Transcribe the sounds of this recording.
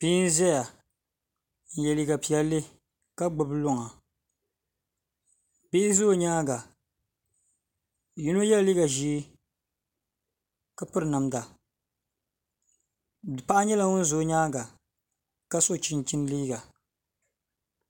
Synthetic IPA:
pi˦n̩˦zɛ˦ja˨ | n̩˨jɛ˨li˦ɡa˨pi˨ɛ˦lːɨ˦ | ka˦ɡ͡bʊ˨blʊ˦ŋa˨ | beː˦zoː˦˨ɲaː˦ɡa˨ | ju˦no˦jɛ˦lli˦ɡa˨ʒiː˦ | ka˦pɨ˦ɾɨ˨na˨mda˨ | pa˦ʔɲɛ˦la˨ŋʊ˦n˦zoː˨˦ɲaː˦ɡa˨ | ka˦so˦˨t͡ʃi˦nt͡ʃi˦n˦liː˦ɡa˨

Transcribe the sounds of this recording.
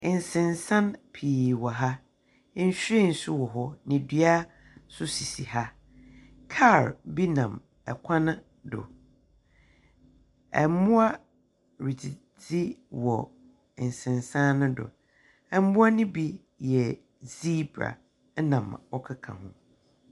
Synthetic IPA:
ɪ˨n˨sɪ̃˨nsã˦npʰiː˨wɔ˨ɦa˦ | n̩˦ɕᶣɾi˦˨n̩˨sʊ˦wɔ˨ɦɔ˦nɪ̃˨dɥa˦ | sʊ˦si˨si˨ha˦ | kʰa˦˨ɾbi˦nã˨m | ɛ˨kʷʰã˦nʊ̃˦ | dʊ̰˨ | ɛ̰˨mʊ̃˦a˦ | ɾi˨tʰi˨ | d͡zi˦wɔ˨ | n̩˨sɪ̃˨nsã˦nʊ̃˦dʊ̰˨ | ɛ˨m˦mʊ̃˦a˦nɪ̃˦bi˦ | jɛ˨ | zi˦bɾa̰˨˦ | nã˨mɔ˦kʰa˦kʰã̰˨ɦʊ̰̃˨

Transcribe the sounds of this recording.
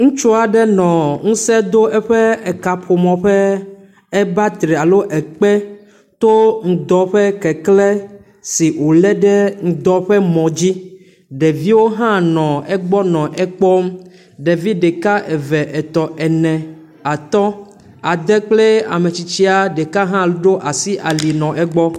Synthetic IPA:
ŋũ˦t͡ʃo˦a˨ɖɛ˦nɔ̃˨ŋũ˦sɛ˦d̪o˦ɛ˦ɸɛ˦ɛ˨ka˨ɸo˨mɔ̃˨ɸɛ˦ | ɛ˦ba˦t̪ɾe˨a˨lo˦ʔɛ˨k͡pɛ˦ | t̪o˦ŋũ˨d̪ɔ˦ɸɛ˦kɛ˨klɛ˦ | si˨wo˨le˦ɖɛ˦ŋ̩̃˨d̪ɔ˦ɸɛ˦mɔ̃˨d͡ʑi˦ | ɖe˨vi˦wo˦ɦã˦nɔ̃˨ɛ˦ɡ͡bɔ˦nɔ̃˨ʔɛ˦k͡pɔ˦m˦ | ɖe˨vi˦ɖe˨ka˦ʔe˨vɛ˨ʔɛ˨t̪ɔ˨ʔɛ˨nɛ̃˨ | a˨t̪ɔ˦ | a˨d̪e˦k͡ple˦a̰˨me˨t͡ɕi˨t͡ɕi˦a˨ɖe˨ka˦ɦã˦lɖo˦ʔa˨si˦ʔa˨li˨nɔ̃˨ʔɛ˦ɡ͡bɔ˦

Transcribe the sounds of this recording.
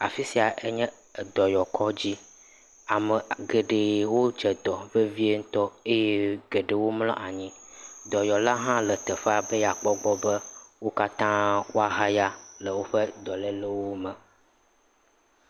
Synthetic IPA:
a˨fi˦si˨a˨ʔe˦ɲɛ̃˦˨ | d̪ɔ˨jɔ˨kʰɔ˦d͡ʑi˦ | a˨mɛ˨ɡe˨ɖe˨wo˦d͡ʒɛ˨d̪ɔ˨ve˦vi˦e˦ŋ̩˦t̪ɔ˦e˦jɛ˦ɡɛ˨ɖe˨wo˦ml̃ɔ̰̃˦ʔa˨ɲĩ˦d̪ɔ˨jɔ˨la˦ɦã˦lə˨t̪ɛ˨fa˦˨bə˦ja˨k͡pɔ˦ɡ͡bɔ˦bə˦wo˦ka˦t̪ã˦wo˦a˨ɦa˦ja˦lə˨wo˦ɸə˦d̪ɔ˨lɛ˦lə˦wo˦mɛ̃˨

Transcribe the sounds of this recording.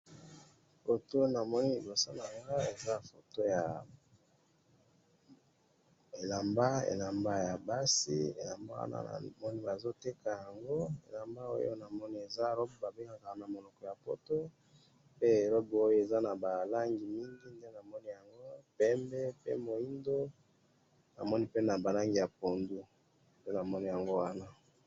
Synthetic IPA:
fo˨to˦na˨mɔ˦ni˦i˨bo˨sa˦na˨ŋɡa˦e˨za˦fo˨to˦ja˨ | e˨la˨mba˦ḛ˨la˨mba˦ja˨ba˦sḭ˦ḛ˨la˨mba̰˦wa̰˦na̰˦a̰˨mɔ˦ni˦ba˨zo˦te˦ka˨ja˨ŋɡo˦ḛ˨la˨mba˦o̰˦jo̰˦na˨mɔ˦ni˦e˨za˦˨ɾɔ˦bba˨be˦ŋɡa˨ka˨na˨mo˨lɔ˨kɔ˨ja˨po˦to˦ | pe˦e˨lɔ˦bo˦jo˦e˨za˦na˨ba˨la˦ŋɡi˨mi˦ŋɡi˦nde˦na˨mɔ˦ni˦ja˨ŋɡo˦pɛ˦mbɛ˦pḛ˦mo˨i˦ndo˦ | na̰˨mɔ˦ni˦pe˦na˨ba˨la˦ŋɡi˨ja˨po˨ndu˦ | pe˦na˨mɔ˦ni˦ja˨ŋɡo˦wa˦na˦

